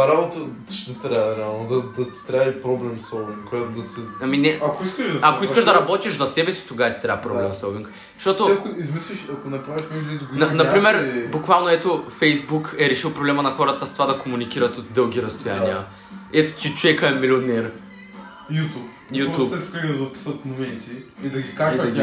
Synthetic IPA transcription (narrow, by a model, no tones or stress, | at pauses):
ɐɾabot̪ə | ʃd̪ɐt̪ɾaɾɛalˠnod̪ɐd̪ɐt̪i̥t̪ɾavipɾɔblɛmsolˠviŋkkːojat̪od̪ɐsiɐminɛɐkoiskəʃakoiskəʃd̪ɐɾɐbɔt̪iʃzɐsɛbɛsi̥t̪oɡaɐt̪i̥t̪ɾaɐpɾɔblɛmsolˠviŋk | ʃt̪ɔt̪okoizmislʲiʃɐkonɐpɾaviʃmɛʒd̪ʊid̪ɡnɐnɐpɾimɛɾbʊkvalˠnoɛt̪ofɛjzbukɛɾɛʃilˠpɾoblɛmɐnɐxɔɾɐt̪əst̪ovad̪ɐkomunikiɾɐt̪ot̪d̪ɤlˠɡʲiɾɐst̪ojaniə̰ | ɛt̪o̥t̪it͡ʃovɛkəɛmilʲionɛɾ | jut̪up | jut̪uɛskid̪ɐzɐpi̥sət̪momɛnt̪iːd̪ɐɡʲikaʒiɐɡ